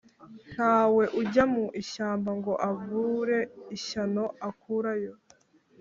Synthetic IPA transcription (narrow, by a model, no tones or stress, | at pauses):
n̥haːwe̞ʔuɟamuʔiʃaːmbaŋɡo̞ʔavuɾe̞iʃano̞akuɾajo̞